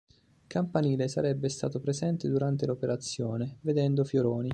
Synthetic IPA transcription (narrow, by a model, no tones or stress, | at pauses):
kampaniːlesa̰ɾɛbːest̪a̰ːt̪opɾezɛnt̪ed̪uɾant̪elopeɾat̪sːjoːneved̪ɛnd̪ofjoɾoːni